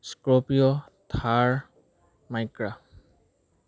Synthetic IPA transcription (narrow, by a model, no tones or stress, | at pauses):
skɹopijɔt̪ʰaɹ | majkɹa